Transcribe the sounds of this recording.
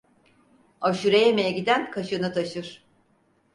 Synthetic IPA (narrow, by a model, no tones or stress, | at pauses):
aʃuɾejɛmejɛɟid̪ænkʰaʃɯnɯt̪ʰaʃɯɾ̥